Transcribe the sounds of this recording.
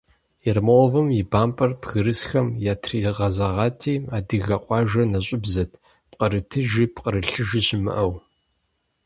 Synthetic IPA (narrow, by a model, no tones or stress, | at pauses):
jɛrmɐwɔvɨmjɪbaːmpʼɐrpɣɨɾɨsxɐmjaːtʰriʁɐzɐʁɑːtʰiːaːdɨɣɐqʷʼɑːʒɐnɐɕʼɪbzɐtʰ | pqʼəɾɨtʰɨʒiːpqʼəɾɨɬɨʒɪɕɪmɨ̰ʔɐw